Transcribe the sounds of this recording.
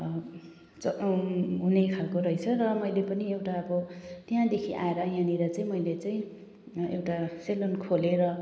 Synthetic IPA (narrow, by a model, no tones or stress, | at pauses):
t͡sʌɦunekʰalkoɾʌjt͡sʰʌɾʌmʌjlepʌniewʈaʌbʌt̪jãd̪ekʰiʔa̰eɾʌjãniɾʌt͡saĩmʌjlet͡saĩ | ḛwʈaselonkʰoleɾʌ